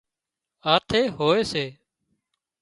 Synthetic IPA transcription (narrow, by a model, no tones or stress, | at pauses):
aːt̪ʰeːɦoːeːseː